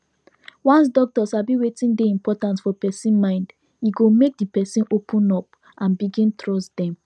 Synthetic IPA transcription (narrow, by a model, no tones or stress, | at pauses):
wɔ̃ns̬dɔk̚tɔsabiwetĩndeĩmpɔtãntfɔpɛsĩnmãɪ̃nd | jiɡomek̚dipɛsĩnopʰũnɔp | ʔãnbiɡĩntɹɔstdɛ̃m